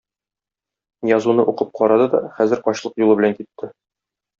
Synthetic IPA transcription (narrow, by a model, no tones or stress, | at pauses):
jɒzunɤʔuqɤp̚qʰɒɾɑd̪ɤd̪ɒ̰χæzɘɾqɒɕlˠɤqjulˠɤbɘ̆læŋkit̪ːɘ